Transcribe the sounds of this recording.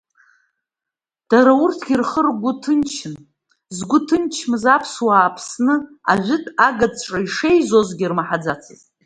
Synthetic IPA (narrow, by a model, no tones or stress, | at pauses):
d̥aɾaʊrtʰɡ̥ʲirχərɡʷʊtʰɨnt͡ʃʰɪn | zɡʷʊtʰɨnt͡ʃʰmɨzapʰswaːpʰsnɨa̰ʒʷɪtʰʼaɡad͡zʈ͡ʂʼaiʂejzo̞zɡʲirmaħad͡zat͡sʰɨ̰zʼ